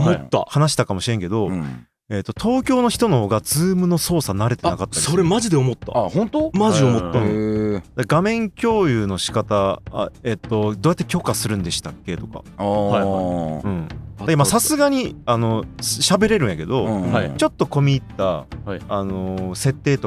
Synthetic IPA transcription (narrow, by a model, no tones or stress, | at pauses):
omot̪ːa̰hanaɕi̥t̪akamo̞ɕiɾẽ̞ŋke̞d̪o̞ | e̞t̪ːo̞t̪ʰo̞ːkʲo̞ːno̞çi̥t̪o̞no̞ho̞ːɡad͡zɨːmɯ̟no̞so̞ːsanaɾe̞t̪eakat̪ːasoɾemaʑid̪e̞omot̪ːa̰hõnt̪omaiomot̪ːɯ̃d̪aɡamẽ̞ŋkʲo̞ːjɯːno̞ɕi̥kat̪aa̰e̞t̪ːo̞d̪oːjat̪ːekʲo̞kasɨɾɯ̟̃nd̪eɕi̥t̪akːe̞t̪o̞ka̰aaɯ̟̃ɴakemasasɨɡaɲ̟iano̞ɕabe̞ɾe̞ɾɯ̟̃ɰ̃jake̞d̪o̞at͡ɕo̞t̪ːo̞ko̞mʲiːt̪ːaː | no̞se̞t̪ːe̞ːt̪o